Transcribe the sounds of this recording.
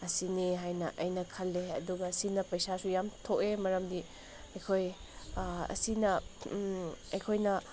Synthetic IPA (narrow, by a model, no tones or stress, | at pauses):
ɐsineɦajnɐʔɐjnɐkʰɐlːeɐ̰duɡɐsinɐpɐjsasujamtʰokemɐɾɐmdi | ɐjkʰoj | ɐ̰sinɐ | ɐjkʰojnɐ